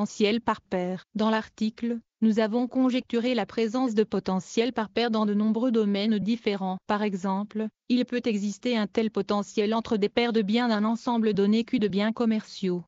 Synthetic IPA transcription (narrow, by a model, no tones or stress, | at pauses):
sjɛlpaʁpɛːʁd̪ɑ̃laʁt̪ikl | nuzavɔ̃kɔ̃ʒɛk̚t̪yʁelapχezɑ̃s̬d̪əpɔt̪ɑ̃sjɛlpaʁpɛʁd̪ɑ̃d̪ənɔ̃bʁød̪ɔmɛnd̪ifeʁɑ̃paʁɛɡzɑ̃plilpøt̪ɛɡzist̪eɛ̃t̪ɛlpɔt̪ɑ̃sjɛlɑ̃t̪χəd̪epɛʁd̪əbjɛ̃d̪ɛ̃nɑ̃sɑ̃bləd̪ɔnekʲyd̪əbjɛ̃kɔmɛʁsjo